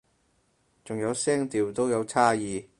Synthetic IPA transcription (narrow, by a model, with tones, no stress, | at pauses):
t͡sʊ˨ŋjɐ˨˧wsɛː˥ŋt̪iː˨wt̪o˥wjɐ˨˧wt͡sʰaː˥jiː˨˧